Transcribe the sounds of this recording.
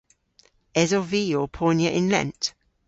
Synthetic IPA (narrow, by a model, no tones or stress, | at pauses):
ɛzɔviːjoːpʰɔːnjəʔɪ̃nlɛ̰̃nt